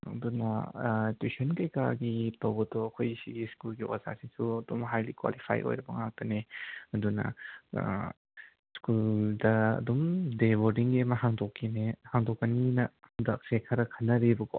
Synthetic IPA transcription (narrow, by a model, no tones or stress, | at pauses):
ɐ̰dunɐ̰tusɔnkɐjka̰ɡitɐwbɐtɔɐkʰojsiɡiskulɡiwa̰za̰sisuɐdumɦajlḭkwa̰lipʰa̰jʔo̰jɾɐbɐŋak̚tɐneɐdunɐ̰ | skuldɐɐ̰dumdebodiŋɡiɐmɐɦaŋdɔkʰːinehaŋdɔkːɐninɐdɐk̚sekʰɐɾɐkʰɐnːɐɾibɐɡɔ̰